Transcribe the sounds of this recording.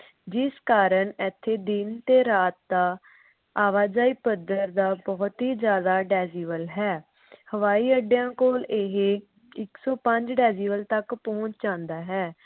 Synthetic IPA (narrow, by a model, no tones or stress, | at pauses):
d͡ʒɪskaːɾəɳɛt̪ʰːeːd̪ɪnt̪eːɾaːt̪̚d̪aː | aːʋaːd͡ʒaːiːpəd̪əɾd̪aːbɔːt̪ɦiːd͡ʒjaːd̪aːɖɛːziːʋəlɦɛː | həʋaːiːəɖjãːkoːleɦe | ɪksɔːpəɲd͡ʒɖɛːziːʋəlt̪əkpɔ̃ːt͡ʃd͡ʒãːnd̪aːɦɛː